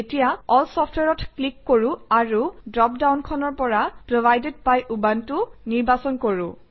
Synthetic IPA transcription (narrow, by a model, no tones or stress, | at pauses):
etijaɔlsɔftʰweɹɔtʰklikːoɹuaɹudɹɔp̚dawnkʰɔnɔɹpɔɹapɹobajded̚pajʔubantʊniɹbasɔnkoɹʊ̃